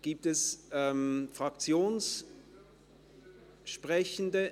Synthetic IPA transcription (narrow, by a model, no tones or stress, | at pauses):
ɡ̥iːp̚tɛsʔɛmfʁ̥ak̚t͡sjoːns | ʃpʁɛçn̩də